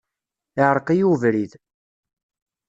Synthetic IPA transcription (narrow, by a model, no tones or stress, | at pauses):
ɪʕɾˤəqijuvɾið